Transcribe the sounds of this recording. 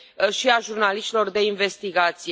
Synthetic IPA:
ʃiaʒurnaliʃt̪ʲilo̞rd̪e̞inve̞st̪iɡat̪sij

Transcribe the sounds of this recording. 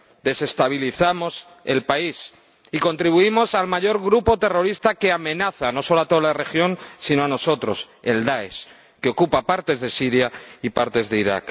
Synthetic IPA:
d̪e̞se̞st̪aβ̞iliθamo̞s | e̞̰lpais | iko̞nt̪ɾiβuimo̞salmaʝo̞ɾɣɾupo̞t̪e̞ro̞ɾist̪akeamẽ̞naθano̞so̞loat̪o̞ðalare̞xjo̞nsino̞ano̞so̞t̪ɾo̞s | e̞ld̪ae̞̰s | keo̞kupapaɾt̪e̞zðe̞siɾjaipaɾt̪e̞zðe̞iɾa̰k

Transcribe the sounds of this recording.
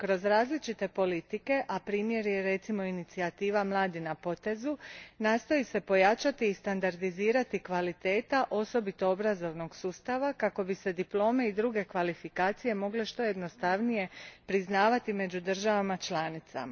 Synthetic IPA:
kɾo̞zɾaːzlit͡ʃit̪e̞po̞lit̪ike̞ʔapɾiːmje̞ɾjeɾe̞t̪simo̞init̪siat̪iːʋamlˠaːd̪inapo̞t̪e̞zunaːst̪o̞jise̞po̞jat͡ʃat̪iːst̪and̪aɾd̪iziːɾat̪ikʋalit̪e̞ːt̪aʔo̞so̞bit̪o̞obɾazo̞ʋno̞ɡsuːst̪aʋakako̞bise̞d̪iplˠo̞ːme̞id̪ɾuɡe̞kʋalifikaːt̪sije̞mo̞ɡle̞ʃt̪o̞je̞d̪no̞st̪aʋnije̞pɾiznaːʋat̪ime̞d͡ʒud̪ər̩ʒaʋamat͡ʃlaːnit̪sa̰ma

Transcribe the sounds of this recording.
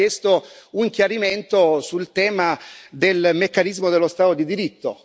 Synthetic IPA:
jest̪ouŋkjaɾiment̪osult̪ɛːmad̪elmekːanizmod̪elːost̪aːt̪od̪id̪iɾit̪ːo

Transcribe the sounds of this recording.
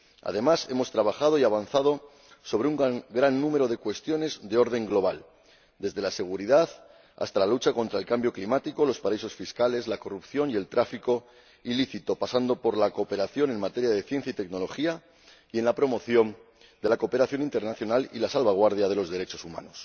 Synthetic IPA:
a̰ðemase̞mo̞st̪ɾaβ̞axaðo̞iaβ̞anθaðo̞ | so̞β̞ɾeuŋɡɾanːũme̞ɾo̞ð̞e̞kwe̞st̪jo̞ne̞zðe̞o̞ɾðe̞ŋɡlo̞β̞al | d̪e̞zðe̞lase̞ɣ̞uɾiðaθ | a̰st̪alalut͡ʃako̞nt̪ɾae̞lkambjo̞klimat̪iko̞lo̞spaɾaiso̞sfiskale̞zlako̞rupθjo̞nie̞lt̪ɾafiko̞ | iliθit̪o̞pasand̪o̞po̞ɾlako̞ːpe̞ɾaθjo̞ne̞nmat̪e̞ɾjaðe̞θje̞n̟θjait̪e̞kno̞lo̞xia | ie̞nlapɾo̞mo̞θjo̞n | d̪e̞lako̞pe̞ɾaθjo̞nint̪e̞ɾnaθjo̞nalḭlasalβaɣ̞waɾð̞jað̞e̞lo̞zðe̞ɾe̞t͡ʃo̞suma̰no̞s

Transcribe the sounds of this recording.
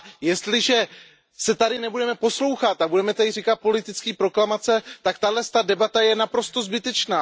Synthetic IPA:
jɛst̪lɪʒɛ | sɛt̪adɪnɛbudɛmɛpo̞slo̞wxat̪abudɛmɛt̪adɪriːkat̪̚po̞lɪt̪ɪt͡skiːpɾo̞klamat͡sɛt̪akt̪adlɛst̪adɛbat̪ajɛnapɾo̞st̪o̞zbɪt̪ɛt͡ʃnaː

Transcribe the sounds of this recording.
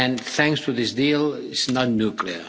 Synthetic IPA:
ɨ̃nθæ̃ŋkstʰuðɪsdiːlˠɪsnətⁿnukʰliə˞

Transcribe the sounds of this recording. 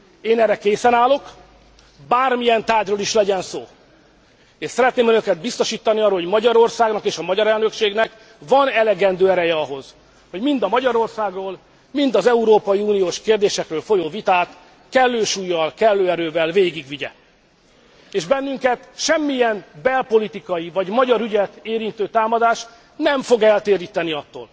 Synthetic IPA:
eːnɛrːɛkeːsɛnaːlo̞k | baːrmijɛnt̪aːɟroːliʃlɛɟɛnso̰ː | eːʃsɛɾɛt̪neːmønøkɛd̪̚bist̪oʃiːt̪ːɒniɒːrːohoɟmɒɟɒɾo̞rsaːɡnɒkeːʃɒmɒɟɒɾɛlnøkʃeːɡnɛk | vɒnɛlɛɡɛnd̪øːɛɾɛjɛɒɦo̞z̥ | ho̞ɟmind̪ɒmɒɟɒɾo̞rsaːɡroːl | mind̪ɒzɛuɾoːpɒjiuːnijoːʃkeːrd̪eːʃɛkrøːlfo̞joːvit̪aːt̪ | kɛlːøːʃuːjːɒlkɛlːøːɛɾøːvɛlveːɡiɡʋiɟɛ̰ | eːʒbɛnːyŋkɛt̪ʃɛmːijɛnbɛlpo̞lit̪ikɒjivɒɟmɒɟɒɾyɟɛt̪eːɾint̪øːt̪aːmɒd̪aːʃ | nɛɱfo̞ɡɛlt̪eːɾiːt̪ɛniɒt̪ːo̰ːl

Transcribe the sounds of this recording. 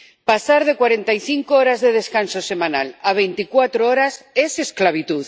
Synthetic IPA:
pasaɾð̞ekwaɾent̪ajθiŋkooɾazðeð̞eskansosemãnalaβ̞ejnt̪ikwat̪ɾooɾasesesklaβ̞it̪uð

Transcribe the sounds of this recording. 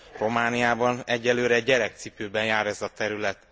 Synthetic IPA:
ro̞maːnijaːbɒnɛɟːɛløːɾɛːɛɾɛk̚t̪sipøːbɛnjaːɾɛzɒt̪ɛɾylɛt̪

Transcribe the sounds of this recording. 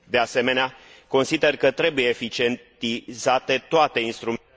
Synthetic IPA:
d̪e̞ase̞me̞nea | ko̞nsid̪e̞rkət̪ɾe̞buje̞ːfit͡ʃie̞ntt̪izat̪e̞t̪oat̪e̞inst̪ɾum

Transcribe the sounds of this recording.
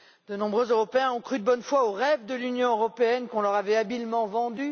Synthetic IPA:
d̪ənɔ̃bʁøzøʁɔpeɛ̃ɔ̃kχyd̪əbɔnfwaoʁɛvd̪əlynjɔ̃øʁɔpeɛnkɔ̃lœʁavɛabilmɑ̃vɑ̃d̪y

